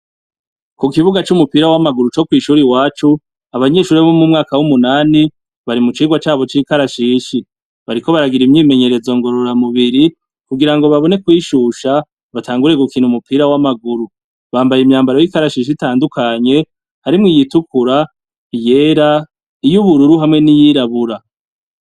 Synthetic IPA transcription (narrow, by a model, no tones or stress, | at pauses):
kukiβuɡat͡ʃumupiːɾawamaɡuɾut͡ʃo̞kwiːʃuɾiwaːt͡ʃu | aβaɲe̞ːʃuːɾiβaβomumŋaːkawumunaːni | βaɾimut͡ʃiːɡwat͡ʃaːβo̞t͡ʃiːkaɾaʃiːʃi | βaɾiko̞βaɾaɡiɾimɲiːme̞ɲe̞ɾe̞zo̞ŋɡo̞ɾo̞ɾamuβiɾi | kuɡiɾaŋɡo̞βaβo̞ne̞kwiːʃuʃa | βatʰaːŋɡuɾe̞ɡukiːnhumupʰiːɾawamaɡuɾu | βaːmbajeimɲaːmbaɾojikaɾaʃiːʃ̬itaːndukʰaɲe̞ | haɾimŋijitukuɾa | je̞ɾa | ijuβuɾuɾuɦamŋe̞nijiːɾaβuɾa